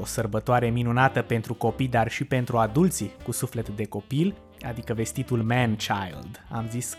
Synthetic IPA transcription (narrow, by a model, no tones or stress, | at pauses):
osərbət̪oaɾe̞minunat̪əpe̞nt̪ɾuko̞pijd̪arʃipe̞nt̪ɾuad̪ult̪sikusufle̞t̪d̪e̞ko̞pil | a̰d̪ikəve̞st̪it̪ulmɛnt͡ʃajld̪a̰mzis